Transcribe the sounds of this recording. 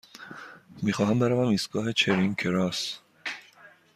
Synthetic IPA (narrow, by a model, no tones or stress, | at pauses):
miːxɒːɦæmbæɾɒːvæmiːst̪ɡ̥ɒːɦe̞t͡ʃʰeɾiŋkʰeɾɒːs